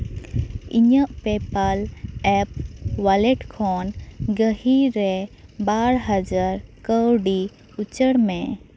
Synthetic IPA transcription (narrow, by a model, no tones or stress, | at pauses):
iɲəʔpɛpalɛp̚walɛʈkʰɔnɡəhiɾɛbaɾɦad͡ʒaɾkəwɖi | ut͡ʃəɽmɛ̃